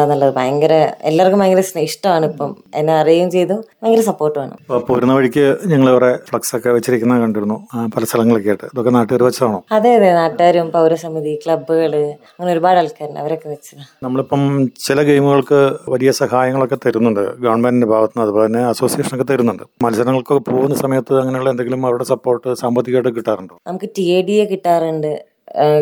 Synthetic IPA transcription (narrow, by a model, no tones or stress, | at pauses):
nːɐɭːɐðɨbajɐŋɡɐɾɐelːaːrkːumɐːŋɡilɐsinɨiʂʈɐmaːɳɨipːɐm | enːeɐrijɐjumt͡ɕe̞jt̪oːaːŋɡiɾɐsɐpːo̞ːrʈːɨʋaːɳɨ̰popoːɾunːɐʋɐɻikʲːɨɲɐŋːɐɭiʋrefɭɐksokːe̞ʋet͡ɕːiɾikʲːunːɐkɐɳɖiɾunːupɐlɐst̪ʰɐlɐŋːɐɭokːeajiʈːɨɐðokːenaːʈːɨɣaːɾumʋɐt͡ɕːɐt̪aːɳoːɐðeːðenaːʈːaːɾumpɐwɾɐsɐmiðikɭɐbːuɣɐɭɨɐŋːneoɾubaːɽɐɭkːaːɾnɐ̰ʋɐɾokːeʋɐt͡ɕːunɐmːɐɭipːɐmt͡ɕilɐɡejmuɣɐɭkɨʋɐlijɐsɐhaːjɐŋːɐɭokːe̞t̪ɐɾunːuɳɖɨ̰ɡɐːɳbɐndindebʱaːʋɐt̪ːinːɐðupoːɭet̪inːe̞ɐso̞ːsijeːʂɐnokːet̪ɐɾunːuɳɖɨmɐlsɐɾɐŋːɐɭkokːepoːɣunːɐsɐmɐjɐt̪ːɨɐŋːɐneuɭːend̪eŋɡilumɐʋɽe̞sɐpːo̞ːrʈːɨsaːmbɐt̪ːikːoːʈːɨkiʈːaːruɳɖonɐmukːɨʈieːɖijekiʈːaːruɳɖɨ